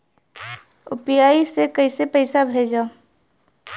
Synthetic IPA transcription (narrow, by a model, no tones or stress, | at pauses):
ʊpjaːisekəɪsepəɪsabʱeːd͡ʒaː